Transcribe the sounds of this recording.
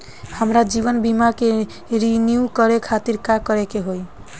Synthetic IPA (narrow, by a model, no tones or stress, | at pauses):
həmɾad͡ʒibɔnbimake | ɾinjukɔɾekʰat̪iɾkakɔɾekeɦoj